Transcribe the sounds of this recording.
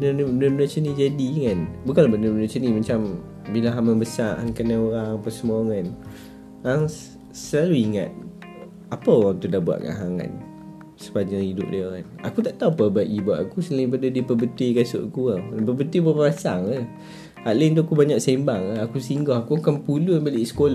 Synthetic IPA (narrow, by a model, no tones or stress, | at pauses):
ənənbənəmənat͡ʃənid͡ʒadiŋanbukalbənəmənat͡ʃənimat͡ʃam | bilaɦaməmbəsaa̰ŋkanaoɾaŋpəsəmuaŋan | ɾaŋ | səlaluiŋa̰t̪̚ | apəoɾaŋt̪udabua̰ʔ̪ka̰nɦaŋa̰n | sə̥paɲd͡ʒaŋidʊʔ̚dəɾana̰kut̪aʔt̪aupəbaʔibua̰ʔakusəlaipadədipəbət̪uikasʊ̰ʔkuəpəbənt̪uibərasaŋə | aʔlənt̪uakubaɲaʔ̚sembaŋakusiŋɡɔɦakuakanpulunbaliʔsə̥kola